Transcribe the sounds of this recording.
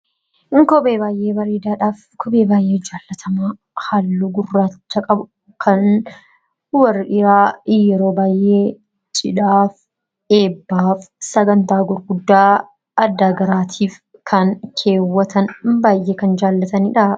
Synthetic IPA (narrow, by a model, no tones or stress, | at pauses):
ŋkɔbeːbaːjʔe̞ːbɐɾeːd̪aːᶑaːf | kɔbeːbaːjʔe̞ːd͡ʒaːlːɐt̪ʰɐmaː | halːuɡʊrːaːt͡ʃːɐkʼɐbʊ | kʰɐn | wɐrːɪʔɪɾaːjɛɾo̞ːbaːjʔeː | t͡ʃʼɪᶑaːf | e̞ːbːaːfsɐɡɐnt̪aːɡʊɾɡʊd̪ːaː | ɐd̪ːaːɡɐɾaːt̪ʰiːf | kʰɐnkʰe̞ːwːɐt̪ɐnbaːjʔeːkɐnd͡ʒaːlːɐt̪ɐniᶑa